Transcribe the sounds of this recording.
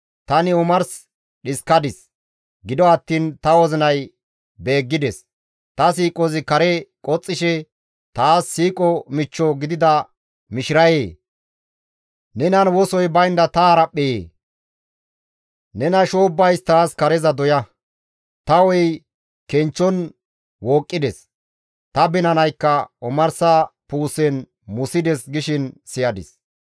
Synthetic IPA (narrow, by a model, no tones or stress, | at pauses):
t̪ɐnɪʊmɐɾs | ɗɪskɐd̪ɪs | ɡɪd̪ɔɐt̪ːiːnt̪ɐwɔzɪnɐj | be̞ːɡːɪd̪ɛs | t̪ɐsiːkʼɔzɪkɐɾɛkʼɔt͡sʼːɪʃɛ | t̪aːsːiːkʼɔmɪt͡ʃːɔɡɪd̪ɪd̪ɐ | mɪʃɪɾɐjeː | nɛnɐnwɔsɔjbɐjnd̪ɐt̪ɐːɾɐpʼːɛjḛː | nɛnɐʃoːbːɐjst̪aːskɐɾɛzɐd̪ɔjɐ | t̪ɐwɔj | kɛnt͡ʃːɔn | woːkʼːɪd̪ɛs | t̪ɐbɛnɐnɐjkːɐɔmɐɾsɐpuːsɛn | mʊsɪd̪ɛsɡɪʃɪnsɪjɐd̪ɪ̰s